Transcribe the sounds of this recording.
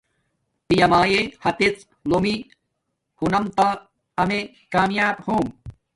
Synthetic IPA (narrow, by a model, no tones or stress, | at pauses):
pijɐmaːjehɐt̪et͡s | lomi | hunɐmt̪a | ɐme | kaːmjaːbhoːm